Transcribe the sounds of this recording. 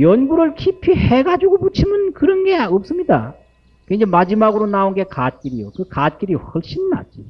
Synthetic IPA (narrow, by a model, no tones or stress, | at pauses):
jʌnɡuɾɯɭkʰipʰiheɡad͡ʑuɡoput͡ɕʰimɯnkɯɾʌnɡe̞ʌp̚s͈ɯmɲida | kwend͡ʑemad͡ʑimaɡɯɾonaonɡe̞kat̚k͈iɾijokɯkat̚k͈iɾiɸʌɭɕ͈inna̰d͡ʑi